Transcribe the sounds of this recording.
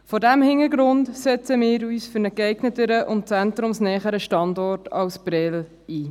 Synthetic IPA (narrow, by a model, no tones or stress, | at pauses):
fɔdæmhɪnəɾɡɾʊndsɛt͡səmɪːɾyːsfʏɾnəkɛɪɡ̥nətəɾəʔʊnt̚t͡sɛntɾʊmsnɛːχəɾəʃtɑndɔrtʰɑlsb̥ɾɛl | iː